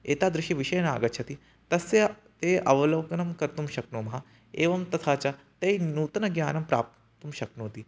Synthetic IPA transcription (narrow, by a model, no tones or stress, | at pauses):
eːt̪aːd̪ɾɪʃiʋiʃɐjɐna̰ːɡɐt̪ʃʰɐt̪i | t̪ɐsjɐ | t̪eːʔɐʋɐlɐʋkɐnɐmkɐɾt̪umʃɐknoːmɐɦɐ | eːʋɐmt̪ɐt̪ʰaːt͡ʃɐt̪ɐjnuːt̪ɐnɐɡjaːnɐmpɾa̰ːp̚ | t̪umʃɐknoːt̪i